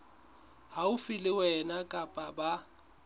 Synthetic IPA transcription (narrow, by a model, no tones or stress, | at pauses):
haʊfɪlɪwɛnakʼapʼaba